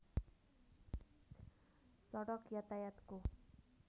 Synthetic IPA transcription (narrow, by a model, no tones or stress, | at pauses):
sɔɽʌkjat̪ajat̪ko